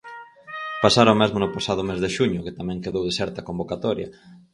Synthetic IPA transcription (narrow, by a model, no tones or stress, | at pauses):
pasaɾomezmʊnʊpasað̞ʊmezðeʃuɲʊket̪amɛ̃ŋkeðowðesɛɾt̪ɐkombokat̪ɔɾjɐ̰